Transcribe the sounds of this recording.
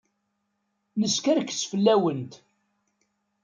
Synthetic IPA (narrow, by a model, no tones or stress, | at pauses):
nəskæɾkːt͡sːfəlːæwənt̪